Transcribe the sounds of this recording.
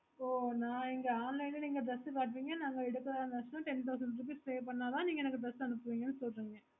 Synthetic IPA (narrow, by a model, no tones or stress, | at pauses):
oːnãːɪŋɡɐaːnlɐɪnniːŋɡɐd̪ɾɐsɯpaːʈ̬ʋiːŋɡɐnaːŋɡɐɛɽɯkːɐðaːnɐsnãʈɛnt̪ɐʊs̬ɐɳɖɾɯp̬iːsseːp̬ɐɳːaːt̪ãːniːŋɡɐɛnɐkːɯd̪ɾɐsɐnɯpːɯʋiːŋɡɐnːɯsɔlɾiːŋɡɐ